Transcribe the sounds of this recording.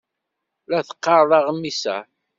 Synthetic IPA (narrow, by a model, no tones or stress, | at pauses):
læθə̥qːɑɾˤðˤɑʁəmːisæ̰